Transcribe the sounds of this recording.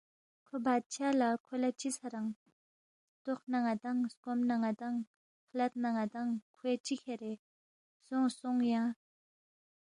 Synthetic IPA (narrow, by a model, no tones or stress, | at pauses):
kʰobat͡ɕʰalakʰolat͡ɕisʰaɾaŋ | t̪oχnaŋat̪aŋskomnaŋat̪aŋ | kʰlat̪̚naŋat̪aŋkʰwet͡ɕikʰerel | soŋsoŋjaŋ